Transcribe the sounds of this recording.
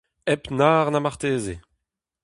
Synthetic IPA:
ɛpnaːʁnamaʁt̪eːze

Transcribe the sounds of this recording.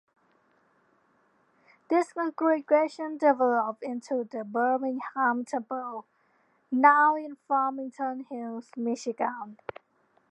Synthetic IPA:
ðɪskə̃ŋɡɹɪɡɹɛʃə̃ndɪvɛləp̚ɪ̃ntʰuðəbɜ˞mɪ̃ŋhãmtʰɛpəlˠ | naʊɪ̃nfamɪ̃ŋtʰənhilˠzmɪʃɪɡə̃n

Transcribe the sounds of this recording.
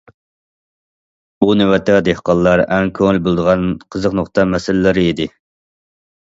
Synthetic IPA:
unɪwɛt̪ʰɛd̪ehqɑlˠːɑɾɛŋkʲʰøŋɪlbolˠd̪əʁɑnqʰəzəqnoχt̪ɑmɛsɪlɪlɪɾɪid̪ɪ

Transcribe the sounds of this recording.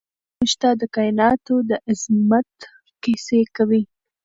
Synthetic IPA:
muʒt̪ɑd̪əkɑɪnɑt̪od̪əʔɪzmat̪ | qisekawi

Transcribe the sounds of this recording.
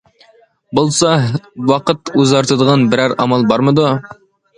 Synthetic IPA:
bŏlˠsɑwɑqɤt̪ʉzɑɾt̪ɤ̆d̪ˠʁɑnbɘ̆ɾæɾɑ̰mɑlˠbɑɾmɤ̆d̪o

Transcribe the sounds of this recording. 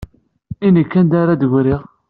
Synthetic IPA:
inikːænd̪aɾad̪əʝɾiʁ

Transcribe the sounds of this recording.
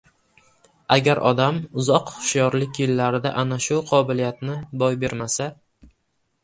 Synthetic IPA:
aɡʲaɾʔɒd̪amʊzɒqχʊ̥ʃjɒɾlɪkʲjɪlːaɾɪd̪a̰ʔanaʃʊqʰɒbɪlijat̪nɪbɒjbe̞ɾmasa

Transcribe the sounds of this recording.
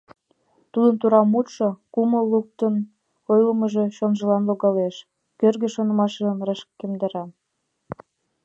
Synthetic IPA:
t̪ud̪ənt̪uɾɑmut̪ʃokuməlːuk̚t̪ən | ojləməʒe̽ʃonʒə̆lɑnloɣɑleʃ | kørɣĕʃonə̆mɑʃeʒənrɑʃkːemd̪ɑɾɑ

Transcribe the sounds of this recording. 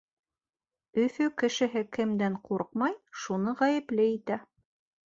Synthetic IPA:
ɵ̆θɵkɘ̆ʃɘ̆ɦɘkɘ̆md̪æɴquɾqmɑjʃunɤʁæjɘ̆plɘit̪æ

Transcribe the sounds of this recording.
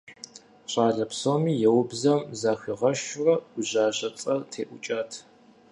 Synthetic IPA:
ɕʼaːɮɐpsoːmiːjɛwbzɐmzaːxʷiʁɐʃʊrɐʊʑaːʑɐt͡sʼɐrtʰeːʔʷʊt͡ʃʼaːtʰ

